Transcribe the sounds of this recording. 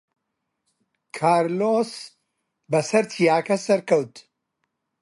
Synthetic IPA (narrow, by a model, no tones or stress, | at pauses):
kʰaːɾloːs | bɐsɐɾt̪ʰijaːkɐsɐɾkɐwt̪